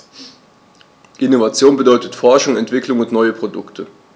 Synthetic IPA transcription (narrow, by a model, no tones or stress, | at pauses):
ʔɪnovat͡sjoːnbədɔʏtətfɔɐʃʊŋɛntv̥ɪklʊŋʊntnɔʏəpʁ̥odʊktʰə